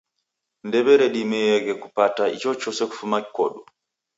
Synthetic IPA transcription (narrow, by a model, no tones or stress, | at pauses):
ndɛbɛɾɛɗimɛjɛɡɛkupataḭt͡ʃɔt͡ʃɔsɛku̥fumakkɔ̰ɗu